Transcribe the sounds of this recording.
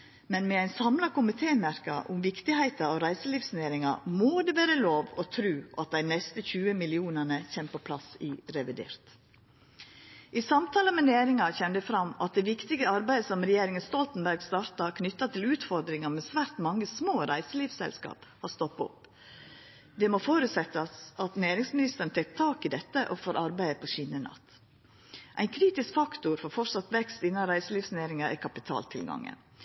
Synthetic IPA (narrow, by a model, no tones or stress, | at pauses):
mɛnmɛæɪnsɑmlɑkʊmɪt̪ʰeːnmæɾkɑ̰ʔʊmʋɪkt̪ɪhæɪt̪ɑoɾæɪsəliːʋsneːɾɪŋɑ̰moːd̪ɛʋeːɾəloːʋɔt̪ʰɾʉːʔɑ̰t̪̚d̪æɪnɛst̪əçʉːəmɪlɪuːnənəçeːmpʰopʰlɑsɪɾɛʋɪd̪ḛːɾt̪ | ʔisɑmt̪ʰɑːləmɛnjeːɾɪŋɑçɛnd̪ɛfɾɑmɑ̰t̪̚d̪ɛʋɪkt̪ɪɡəɑɾbæɪd̪əsɔmɾɛjeːɾɪŋənst̪ɔlt̪n̩bæɾɡst̪ɑːɾt̪ɑkʰnʏt̪ːɑt̪ʰɪlʉːt̪fɔɾd̪ɾɪŋɑmɛsʋæːɾʈ̪mɑŋːəsmoːɾæɪsəliːfsɛ̰lskɑ̰ːphɑɾst̪ɔpːɔ̰p | d̪ɛmoːfoːɾʉːt̪sɛt̪ːɑsɑt̪neːɾɪŋsmɪnɪst̪əɾən̩t̪ʰɛkt̪ʰɑːkɪd̪ɛt̪ːəʔɔfoːɾʔɑɾbæɪəpʰɔɕiːnənɑ̰t̪ː | ʔæɪnkʰɾiːt̪ɪskfɑkt̪ʊɾfɔɾfɔʂɑt̪ʋɛkst̪ɪnːɑnɾæɪsəliːʋsneːɾɪŋɑʔækʰɑpɪt̪ʰɑ̰ːlt̪ʰɪlɡɑ̰ŋːə̰n